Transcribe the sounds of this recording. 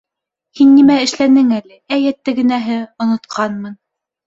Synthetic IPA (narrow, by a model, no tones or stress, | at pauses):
hinːimæɘ̆ʃlænɘŋælɘæjæt̪ːæɡɘ̆næɦɘŏnŏt̪qʰɑnmɤn